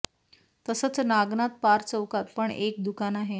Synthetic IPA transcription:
t̪əsət͡snaɡnat̪̚paɾt͡səwkat̪̚pəɳek̚d̪ukanaɦe

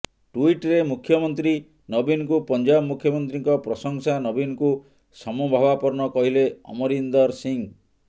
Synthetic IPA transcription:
ʈuiʈɾemukʰːjɔmɔnt̪ɾi | nɔbinɔkupɔnd͡ʒabmukʰjɔmɔnt̪ɾiŋkɔpɾɔsɔŋsanɔbinɔku | sɔmɔbʱabapɔɾnɔkɔɦileɔ̰mɔɾind̪ɔɾsiŋ

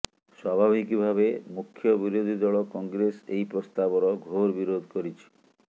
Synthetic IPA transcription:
swabʱabʱikibʱaβemukʰːjɔbiɾod̪ʱid̪ɔɭɔkɔŋɡɾesḛjpɾost̪abɔɾɔɡʱoɾbiɾod̪ʱkoɾit͡ʃʰi̥

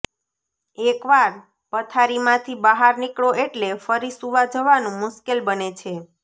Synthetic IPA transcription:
ekʋaɾ | pət̪ʰaɾimãt̪ʰibəɦaɾnikɭoʔeʈlefəɾisuʋad͡ʒəʋanũmʊʃkelbənet͡ʃʰe

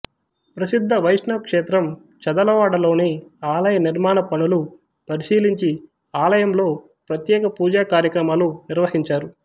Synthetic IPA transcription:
pɾɐsid̪ʱːɐʋɐjʂɳɐʋkʂeːt̪ɾɐm | t͡ʃɐd̪ɐlɐʋaːɽɐlo̞ːneːaːlɐjɐniɾmaːnɐpɐɳulu | pɐɾiʃiːliɲt͡ʃi | aːlɐjɐmlo̞ː | pɾɐt̪jɛːkɐpuːd͡ʒaːkaːɾjɐkɾɐmaːluniɾʋɐhiɲt͡ʃaːɾu

